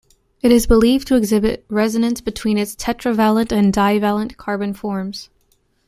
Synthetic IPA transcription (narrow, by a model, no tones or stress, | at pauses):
ɨɾɨzbəlivtʰɨːɡzɪbɨ̰t̚ɹɛzɨnɨ̃nsb̥ɨtʰw̥ĩnɨtstʰɛt͡ʃɹ̥ɨvælˠə̃ntɨ̃ndaɪvælˠə̃nkʰɑɹbɨ̃nfɔɹmz̥